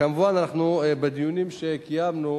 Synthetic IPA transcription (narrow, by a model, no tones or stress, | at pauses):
kamuvananaχnubed̪ijunimʃekijamnu